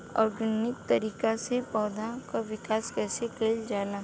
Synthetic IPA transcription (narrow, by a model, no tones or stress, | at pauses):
ɔ̰ːɾɡʊnːɪk̚t̪ɐɾiːkasepɔːd̪ʱakaʋɪkaːskɛːsekeld͡ʒaːnaː